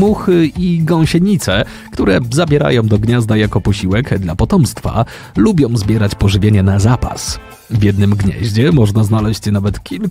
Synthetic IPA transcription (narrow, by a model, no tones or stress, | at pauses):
muxɘiɡɔ̃w̃ɕɛɲit̪sɛ | kt̪uɾɛzabʲjɛɾa̰jɔ̃w̃d̪ɔɡɲazd̪ajakɔpɔɕiwɛkd̪lapɔt̪ɔmst̪fa̰ | lubʲjɔ̃w̃zbʲjɛɾat͡ɕpɔʐɘvʲjeɲɛnazapa̰s | vʲjɛd̪̚nɘmɡɲɛ̰ʑd͡ʑɛmɔʐnaznalɛɕt͡ɕnavɛt̪kʲʰil